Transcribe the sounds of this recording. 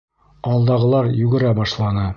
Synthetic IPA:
ɒlˠd̪ɑʁɤ̆lˠɑɾjʉɡɘ̆ɾæbɒʃlˠɑnɤ

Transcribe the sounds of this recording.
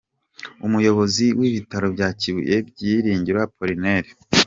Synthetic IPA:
umujo̞βo̞ziwiβitaɾo̞bɟaːciβṵjʔebɟiːɾiːɲɟiɾwapʰoɾineɾe

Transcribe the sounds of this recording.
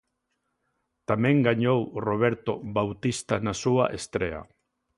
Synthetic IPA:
t̪amẽŋɡaɲowroβ̞eɾt̪oβawt̪ist̪anasua̰ʔest̪ɾḛa̰

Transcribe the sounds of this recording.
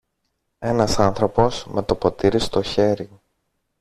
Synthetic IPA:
e̞nɐsɐnθɾo̞po̞sme̞t̪o̞po̞t̪iɾist̪o̞çe̞ɾi

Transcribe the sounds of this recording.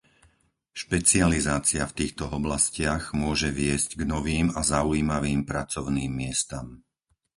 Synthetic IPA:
ʃpɛt͡sializaːt͡siaft̪iːxt̪ɔɔblascɪaɣmʊɔʒɛʋɪɛzɟɡnɔʋiːmazauiːmaʋiːmpɾat͡sɔʊniːmːɪɛst̪am

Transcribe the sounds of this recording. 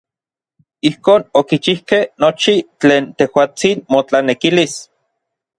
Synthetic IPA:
ihkoːnokit͡ʃihkehnot͡ʃit͡ɬeːnt̪ehwaːt͡sinmot͡ɬanekilis

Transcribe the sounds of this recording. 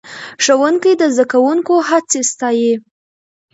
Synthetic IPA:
ʂəwuŋkəjd̪əzd̪akawuŋkoɦat͡sest̪ɑji

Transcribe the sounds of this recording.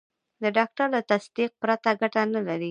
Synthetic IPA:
d̪əɖɑk̚ʈaɾlat̪asd̪iq̚pɾat̪aɡaʈanalaɾi

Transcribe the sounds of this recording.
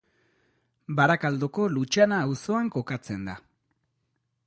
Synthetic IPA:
baɾakald̪oko̞lut͡ʃanaːwso̞aŋko̞kat͡se̞nd̪a

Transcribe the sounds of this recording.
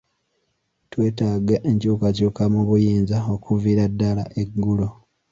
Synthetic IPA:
twe̞ːtaːɡaʔeɲcuːkacuːkamuβujiːnzao̞kuviɾadːala̰ʔeɡːulo

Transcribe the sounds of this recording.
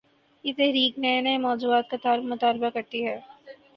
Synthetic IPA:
jɪt̪ɛɦɾiːknenemɔːd͡ʒuːaːt̪̚kat̪ɐɾmmʊt̪aːlbakɐɾt̪iɦɛː

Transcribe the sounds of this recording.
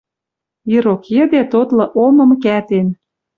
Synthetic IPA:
iɾokjə̆d̪et̪ot̪lɤ̆ʔomɤ̆mkæt̪en

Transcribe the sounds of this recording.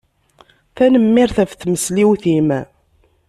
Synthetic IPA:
θænəmːɪɾθæfθməsliwθim

